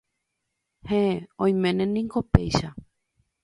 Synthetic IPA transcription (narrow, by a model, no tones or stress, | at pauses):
heeõj̃mẽnẽnĩŋɡopejʃa